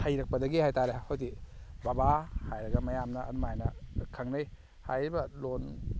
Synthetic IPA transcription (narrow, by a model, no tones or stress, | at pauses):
hajɾɐk̚pɐdɐɡihajtaɾehojdibabahajɾɐɡɐmɐjamnɐʔːdumaajnɐkʰɐŋnɯj | ha̰jɾibɐlon